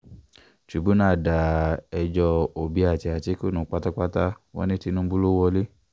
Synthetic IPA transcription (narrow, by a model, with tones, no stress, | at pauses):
t͡ʃu˨˦bu˦nãː˦˨da˨ɛ˧d͡ʒɔ˧o˨bi˨˦a˦˨ti˧a˨te˨˦ko˦˨nũ˨˦˨k͡pa˦ta˦k͡pa˦ta˦ | wɔ̰̃˦nĩ˦ti˧˦nũ˦bu˦lo˦wɔ˧le˦